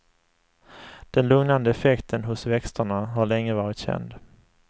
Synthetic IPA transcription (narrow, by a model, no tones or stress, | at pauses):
d̪̥ɛnlɵŋnand̪əɛfɛkt̪ʰənɦʊsvɛkst̪əɳaɦaɭɛŋːəvɑːɾɪt̪ɕɛ̰nd̪